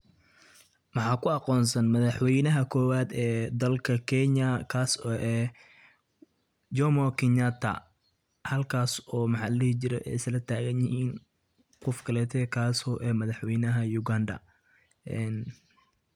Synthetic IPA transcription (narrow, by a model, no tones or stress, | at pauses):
mɑħɑːkʰʊɑqɔːnsɐnmɐðɑħwɛjnɐɦɐkʰɔːwaːd̪ɛːd̪ɐlkʰɐkʰɛnɐkʰaːsɔːʔɛː | d͡ʒɔmɔkʰɪnat̪ʰɐ̰ | hɐlkʰaːsɔːmɑħɑlɪht͡ʃɪɾɛʔɛ̰jslɐt̪ʰaːɣɐnjɪhiːn | qɔfkʰɐlɛːt̪ʰɛːkʰaːsɔːʔɛːmɐðɑħwɛjnɐɦɐjʊɡandɐ̰ | ʔɛːn